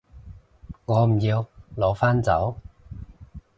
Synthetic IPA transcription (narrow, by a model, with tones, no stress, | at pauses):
ŋɔː˨˧m̩˨˩jiː˧wlɔː˨˥faː˥nt͡sɐ̰˨˥w